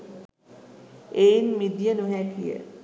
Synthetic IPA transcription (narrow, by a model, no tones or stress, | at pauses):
einmid̪jənuɦækijə̰